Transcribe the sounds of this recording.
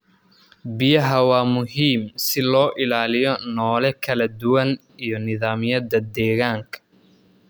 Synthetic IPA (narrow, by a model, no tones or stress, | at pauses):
bɪjɐɦɐwɑːmʊɦiːmsɪlɔːʔɪlaːlɪjɔnɔːlɛkʰɐlɐd̪ʊwɐn | ijɔnɪðaːmɪjɐd̪ɐd̪ɛːɣaːŋkʰɐ̥